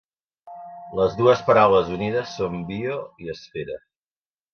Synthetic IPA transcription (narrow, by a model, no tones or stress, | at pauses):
ləzðuəspəɾawləzunið̞əsːombioiəsfeɾə